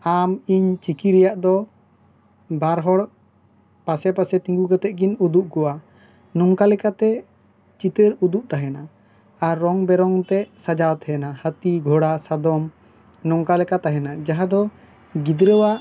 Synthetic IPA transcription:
amiɲt͡ʃikiɾɛjaʔd̪ɔ | baɾɦɔɽ | pasɛpasɛt̪ĩŋɡuɡat̪ɛʔ̚ɡinud̪uʔkɔwa | nɔŋkalɛkat̪ɛ | t͡ʃit̪əɾud̪uʔt̪aɦɛna | aɾːɔŋbɛɾɔŋt̪ɛsad͡ʒawt̪ɦɛnahət̪iɡʱɔɽasad̪ɔm | nɔŋkalɛkat̪aɦɛnad͡ʒaɦad̪ɔ | ɡid̪ɾəwaʔ

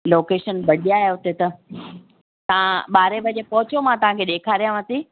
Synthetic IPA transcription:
loːkeːʃənbɐɽijaɦeɦʊt̪et̪ɐ | t̪ɐʋãɓaːɾebɐd͡ʑepɐɦʊt͡ɕomãt̪ɐʋ̤ãkʰeɗeːkʰaːɾijãʋɐt̪i

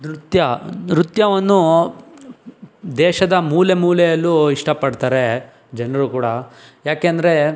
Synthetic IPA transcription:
d̪ɾut̪jɐɾut̪jɐʋɐnːu | d̪ɛːʃɐd̪ɐmuːlemuːlɛjɐlːuiʂʈɐpɐɖt̪aːɾe | d͡ʒɛnɐɾukuːɽɐ | jaːkeːnd̪ɐɾe̞

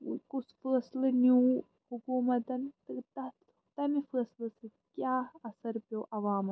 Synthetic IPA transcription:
kusʰfəːslɨnjuː | hukuːmɐt̪ɐnt̪ɨt̪ɐt̪ | t̪ɐmifəːslɨsi | kjaːɐsɐɾpoːʔɐʋaːmɐ

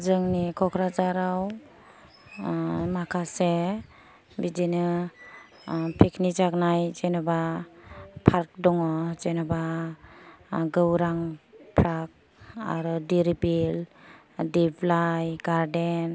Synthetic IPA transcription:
zɯŋnikʰɔkʰɾazaɾaw | makʰase | bidinɯ | pʰiknizaknajzenɔba | pʰaɾk̚dɔŋɔzenaba | ɡɯwɾaŋpʰɾak̚ | a̰ɾɔdiɾibil | diblajɡaɾden

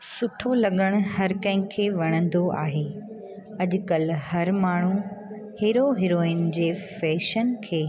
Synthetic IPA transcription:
sʊʈʰolɐɠəɽ̃ʊhɐɾkɐ̃ɦɪ̃kʰːeːʋɐɽ̃ə̃nd̪oʔa̰ːɦeː | ɐʄʊkəlhɐɾmaːɳ̤u | heːɾoɦeɾoːɪn̆d͡ʑeːfɛːʃənkʰeː

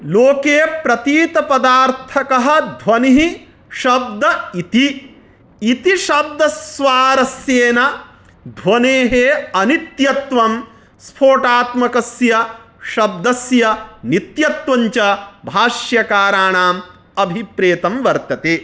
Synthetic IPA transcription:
loːkeːpɾɐt̪iːt̪ɐpɐd̪aːɾt̪ʰɐkɐɦɐ̆d̪ʱʋɐniɦi | ʃɐb̚d̪ɐit̪i | it̪iʃɐb̚d̪ɐsʋaːɾɐsjeːnɐ | d̪ʱʋɐneːɦeːɐnit̪jɐt̪ʋɐm | spʰoːʈaːt̪mɐkɐsjɐ | ʃɐb̚d̪ɐsjɐnit̪jɐt̪ʋɐɲt͡ʃɐbʱaːʃjɐkaːɾaːɳaːm | ɐbʱipɾeːt̪ɐmʋɐɾt̪ɐt̪eː

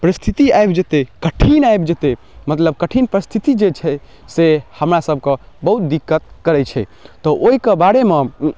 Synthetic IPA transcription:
pəɾist̪ʰit̪iaebd͡ʒet̪ekəʈʰinaebd͡ʒet̪e | mət̪ləb̚kəʈʰinpəɾist̪ʰit̪id͡ʒet͡ʃʰɛ | sehəmɾasəb̚ke | bəɦut̪̚d̪ikːət̪̚kəɾɛt͡ʃʰɛt̪ɔʔoɦikebaɽeme

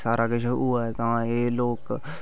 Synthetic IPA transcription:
saːɾʔakət͡ʃʰʊːaːɦɛt̪ãeːloːk

